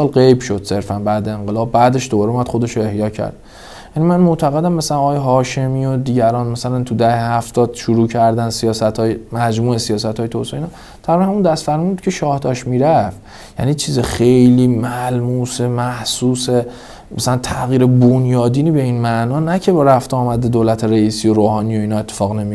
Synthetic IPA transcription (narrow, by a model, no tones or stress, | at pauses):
ɒːlɢejbʃo̞d̪̥se̞ɾfænbæːd̪eeŋɢelɒːbːæːd̪e̞ʃd̪obɒːɾeumæd̪̥xod̪e̞ʃoe̞hjɒːcʰæ̰ɾd̪̥ | jænimænmoʔt̪ʰæɣed̪æmːæsælænɒɣːjeɦɒːʃe̞miːod̪iːɟæɾɒːnmæsælænt̪ʰud̪æhehæft̪ɒːd̪̥ʃuɾuːcʰæɾd̪ænsijɒːsæt̪ʰɒːjemæd͡ʒmuːesijɒːsæt̪ʰɒːjt̪ʰoseiːnɒ | t̪ʰæɾiɾnhæmund̪æst̪fæɾmiunbud̪kcʰe̞ʃɒːhd̪ɒːʃmiːɾæf | jæ̰niːt͡ʃʰiːzexejliːmælmuːsemæhsuːse | mæsælænt̪ʰæɣiːɾebonjɒːd̪iːniːbe̞iːnmæʔnɒːnæcʰe̞beɾæft̪eɒːmæd̪ed̪olæt̪ʰeɾeiːsijo̞ɾoːɦɒːnijo̞iːnɒːe̞t̪ʰːe̥fɒːɣne̞mijo